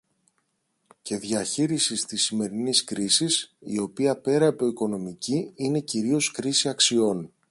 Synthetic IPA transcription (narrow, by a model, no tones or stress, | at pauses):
ce̞ðʝɐçiɾisist̪isːime̞ɾiniskɾisisḭo̞piɐpe̞ɾɐipo̞iko̞no̞miciine̞ciɾio̞skɾisiɐksio̞n